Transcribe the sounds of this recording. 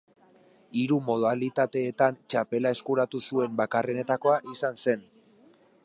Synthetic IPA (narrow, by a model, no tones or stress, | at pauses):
iɾumo̞ðalit̪at̪e̞ːt̪ant͡ʃape̞lae̞skuɾat̪usue̞mbakare̞ne̞t̪ako̞aʔisanse̞n